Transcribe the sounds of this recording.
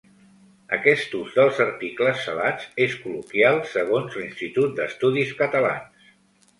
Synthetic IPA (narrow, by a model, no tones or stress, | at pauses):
ə̰kɛst̪uzd̪əlˠzəɾt̪ikləsːəlad͡zeskulukjalˠsəɣ̞onzlinst̪it̪ut̪̚d̪əst̪uðiskət̪əla̰ns